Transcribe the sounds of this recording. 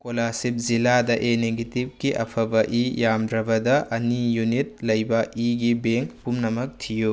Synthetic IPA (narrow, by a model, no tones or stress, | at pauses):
kolasip̚ziladɐʔeneɡetip̚kiʔɐ̰pʰɐbɐʔijamdɾɐbɐdɐʔɐnijunit̚lɐjbɐʔiɡibeŋkpumnɐmɐk̚tʰiju